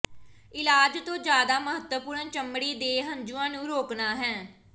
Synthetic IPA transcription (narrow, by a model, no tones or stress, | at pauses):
ɪlaːd͡ʒt̪õːd͡ʒjaːd̪aːməɦət̪əpʊɾnt͡ʃəmɽiːd̪eːɦəɲd͡ʒuːãːnũːɾoːknaːɦɛ̃ː